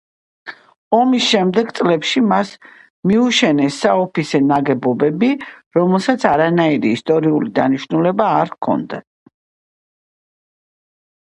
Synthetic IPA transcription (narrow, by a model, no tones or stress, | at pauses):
ɔmisʃɛmd̪ɛɡt̪sʼlɛpʃimas | miuʃɛnɛsːaɔpʰisɛnaɡɛbɔbɛbiɾɔmɛlˠsat̪sʰaɾanaiɾiːst̪ʼɔɾiulid̪aniʃnulɛbaːɾkʰɔ̰nd̪a̰